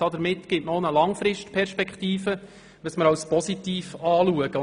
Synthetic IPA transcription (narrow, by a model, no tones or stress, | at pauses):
ɑdəɾmɪtːɡ̥ɪtnonəlɑŋfɾɪʃtpʰɛɾʃpɛkχtiːfə | ʋəsməɾɑwspɔsit̪iːfɑːluəɡ̥ə